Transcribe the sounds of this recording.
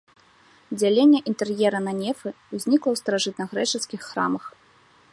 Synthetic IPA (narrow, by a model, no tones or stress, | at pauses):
d͡zʲalʲenʲːɛʔint̪ɛrjɛɾɐnɐnʲɛfɨ | wzʲnʲiklˠɐwst̪ɐɾaʐɨt̪̚nɐɣɾɛt͡ʂɛskʲixːɾa̰mɐx